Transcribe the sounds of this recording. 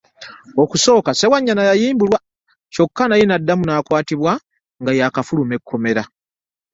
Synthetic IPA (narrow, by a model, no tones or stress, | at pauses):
o̞kuso̞ːkase̞waɲːanajajiːmbulwa | co̞kːanajinadːamunaːkwaːtiβwa | ŋɡajakafulume̞kʰːo̞me̞ɾa